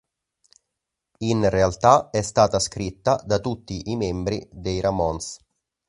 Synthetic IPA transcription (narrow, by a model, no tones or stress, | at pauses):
inrealt̪aɛst̪aːt̪askɾit̪ːad̪at̪ut̪ːiʔimɛmbɾid̪ejɾamɔns